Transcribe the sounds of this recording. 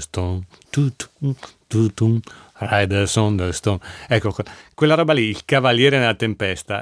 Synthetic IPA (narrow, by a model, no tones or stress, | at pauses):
st̪on | t̪ut̪ut̪ut̪urajd̪ɛɾsɔnd̪est̪onɛkːokkwelːaɾɔːbaliːlkavaljɛːɾenelat̪empɛst̪a